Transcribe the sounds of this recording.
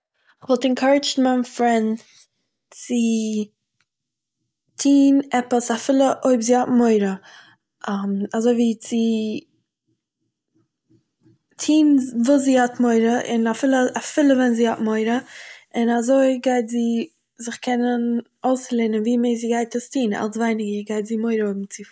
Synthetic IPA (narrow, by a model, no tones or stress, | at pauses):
ɪχvɔlˠtɛnkʰɔɾɪd͡ʒn̩manfɾɛnd | t͡sɪ | tʰiːnɛpəsafɪlˠəʔoɪbziːhɔtmoɪɾə | amazoɪviːt͡sɪ | tʰiːnvuːsziːhɔtmoɪɾəʔɪ̰nafɪlˠəafɪlˠəvɛnziːhɔtmoɪɾəɪnazoɪɡaɪtziː | zɪχkʰɛnən | oʊslˠeːnənviːmeɪziːɡaɪtəstʰiːna̰lˠsvaɪnɪɡəɡaɪtziːmoɪɾəoɪb̚m̩t͡sɪ